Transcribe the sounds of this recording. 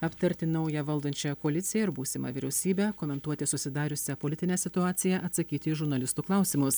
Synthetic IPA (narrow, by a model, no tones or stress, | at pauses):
ɐpt̪ɐɾʲt̪ʲɪnɐʊjɛʋɐlˠd̪ɐnʲt͡ʃʲɛjɛkoɐlʲɪt̪sʲɪjɛɪɾbuːsʲɪmɑ̰ʋʲiːɾʲɛʊsʲiːbʲɛːkoːmʲɛnt̪uɔt̪ʲɪsʊsʲɪd̪ɑːɾʲʊsʲɛpoːlʲɪt̪ʲɪnʲɛːsʲɪt̪ʊɑːt̪sʲɪjɛʔɐt̪sɐkʲiːt̪ʲɪːʒʊɾnɐlʲɪst̪uːklˠɑˑʊsʲiːmʊs